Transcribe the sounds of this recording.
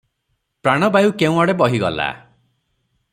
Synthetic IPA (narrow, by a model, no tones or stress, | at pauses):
pɾaɽ̃ɔbajukeũɔɽebɔɦiɡɔ̰la̰